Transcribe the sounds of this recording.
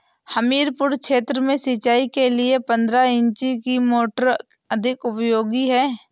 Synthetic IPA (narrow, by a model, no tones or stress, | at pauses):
həmiːɾpʊɾkʃeːt̪ɾəmẽsɪt͡ʃaːikelɪepə̃nd̪ɾaɪ̃ɲt͡ʃikimoːʈəɾ | əd̪ʱɪkʊpjoːɡiɦɛː